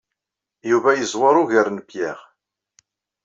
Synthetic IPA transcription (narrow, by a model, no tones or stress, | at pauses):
juvæjəzˤwɑɾˤʊʝəɾnpjæʁ